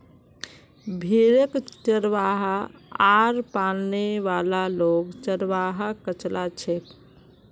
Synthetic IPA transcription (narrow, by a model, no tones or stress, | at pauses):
bʱiɾəkt͡ʃəɾʋaɦaaɾpalneʋalaloɡt͡ʃəɾʋaɦakət͡ʃlʔat͡ʃʰek